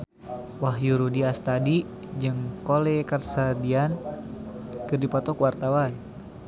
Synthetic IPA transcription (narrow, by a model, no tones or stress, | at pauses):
waɦjuɾudiast̪adi | d͡ʒɨŋkolɛkarsadian | kɨrdipɔt̪ɔkwart̪awan